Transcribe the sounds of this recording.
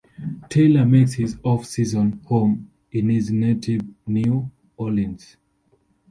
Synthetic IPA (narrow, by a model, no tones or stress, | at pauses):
tʰeləmekshizɔfsizɔ̃nhõm | ĩniznetʰivnju | ɔliə̃ns